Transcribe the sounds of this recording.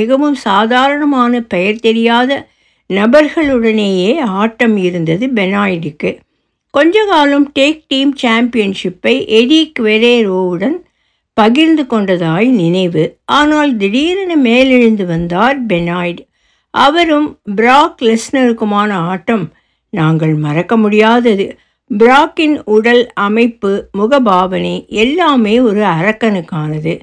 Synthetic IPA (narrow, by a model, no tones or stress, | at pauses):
ɪɣɐʋɯmsaːðaːɾɐɳɐmaːnɐpɐjɐɾt̪ɛɾɪjaːðɐ | nɐbɐɾɣɐɭɯɽɐneːjeːaːʈːɐmɪɾɯnd̪ɐðɯbɛnaːjɖɯkːɯ | kɔɲd͡ʒɐkaːlɐmʈeːk̚ʈiːmt͡ʃaːmpɪjɐnʂɪpːɐɪʔɛɽikʋɛɾeːɾoːʋɯɽɐn | pɐɣɪɾnd̪ɯkɔɳɖɐðaːjnɪnɐɪʋɯʔaːnaːld̪ɪɽiːɾɐnɐmeːlɪɻɯnd̪ɯʋɐnd̪aːɾbɛnaːjɖ | ʔɐʋɐɾɯmbɾaːklɛsnɐɾɯkːɯmaːnɐaːʈːɐm | naːŋɡɐɭmɐrɐkːɐmʊɽɪjaːðɐðɯ | bɪɾaːkːɪnʊɽɐlɐmɐɪpːɯmʊɣɐbaːʋɐnɐɪɛlːaːmeːɔɾɯɐɾɐkːɐnɯkːaːnɐðɯ